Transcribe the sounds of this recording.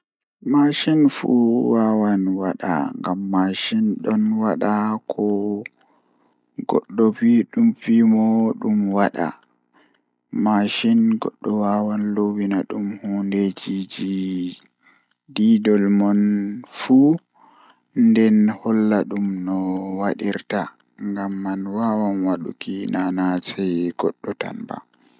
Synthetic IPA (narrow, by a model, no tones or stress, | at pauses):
maʃinfṵwawanwaɗa̰ŋɡamːaʃinɗɔnwaɗakʰɔ | ɡɔ̰ɗːɔviɗumfimɔɗumwaɗa̰ | maʃinɡɔ̰ɗːɔwawanlowinaɗumhunded͡ʒid͡ʒi | didɔlmɔnfu | ndɛnhɔlːaɗumnɔwaɗiɾta | ŋɡamːanwaːwanwaɗṵkinanasɛjɡ̥ɔɗːɔta̰nba̰